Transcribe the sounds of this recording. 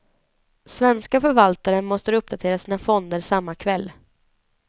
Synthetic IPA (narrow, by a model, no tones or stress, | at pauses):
svɛnskafœɾvalt̪aɾənmɔst̪əɾɵp̚d̪at̪ʰeːɾasiːnafɔnd̪əɾsamːakʰvɛlː